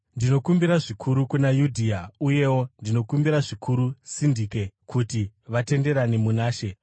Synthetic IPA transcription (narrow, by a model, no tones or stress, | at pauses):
ndino̞kumbiɾaʐikʰuɾukunajudʱiauje̞wo̞ndino̞kumbiɾaʐikʰuɾusindiːke̞kʰutiʋate̞nde̞ɾanemunaːʃe̞